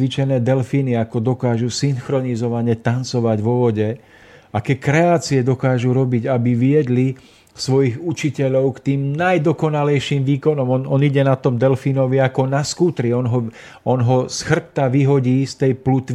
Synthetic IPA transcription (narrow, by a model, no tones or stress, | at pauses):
ʋit͡ʃɛnɛːd̪ɛlfiniakɔd̪ɔkaːʒusiŋxɾɔnizɔʋaɲɛt̪ant͡sɔʋaɟʋɔʋɔɟɛ | ʔakɛːkɾɛaːt͡siɛd̪ɔkaːʒuɾɔbiɟabiʋɪɛd̪li | sʋɔjiɣut͡ʃicɛʎɔʊkt̪iːmnajd̪ɔkɔnalɛjʃimʋiːkɔnɔmɔnɔniɟɛnat̪ɔmd̪ɛlfinɔʋiakɔnaskuːt̪ɾiɔnɦɔ | ɔnɦɔsxr̩p̚t̪aʋiɦɔɟiːst̪ɛjplut̪ʋ